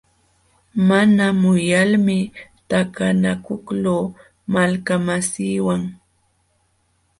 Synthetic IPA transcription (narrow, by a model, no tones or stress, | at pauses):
manamʊjalmɪt̪akanakʊkloː | malkamasiːwaŋ